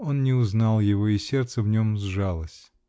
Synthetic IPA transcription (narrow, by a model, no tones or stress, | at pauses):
o̞nnʲɪʊznɑlˠjɪvo̞isʲe̞rt̪səvnʲo̞mzʐalˠəsʲ